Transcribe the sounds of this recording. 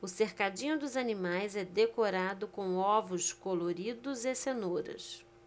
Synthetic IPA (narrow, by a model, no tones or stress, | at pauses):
ʊseχkad͡ʒĩɲʊd̪ʊzɐnimajzɛd̪ekoɾad̪ʊkõw̃ɔvʊskoloɾid̪ʊzesenoɾɐ̰s